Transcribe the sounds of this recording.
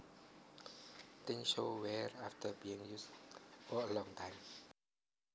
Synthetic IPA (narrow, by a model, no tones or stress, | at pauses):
dẽŋʃowɛɹaftʰəbiɪ̃ŋjusfɔəlɔ̃ŋtʰãɪjm